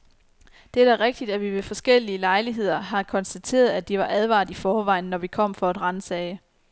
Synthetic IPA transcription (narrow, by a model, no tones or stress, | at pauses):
d̥eæ̥æʁeɡ̥̚d̥id̥æʋiʋe̝fɒ̽sɡ̥el̰iəlɑ̈ɪliɦe̝ð̞̰ˠɐɦɑ̈kʰɒ̽nsd̥æt͡sʰe̝̰ːɐð̞̩ˠæd̥iʋɑ̈ʔæð̞ˠʋɑ̰̈ːð̩ˠifɒːʋɑ̈ɪ̰n̩ːɒʋikʰɒ̽m̰fɒ̽ed̥ʁɑnsɛːɪə